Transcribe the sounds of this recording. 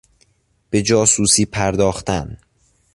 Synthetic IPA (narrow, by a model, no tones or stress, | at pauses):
b̥e̞d͡ʒɒːsuːsiːpʰæɾd̪ɒːxt̪æn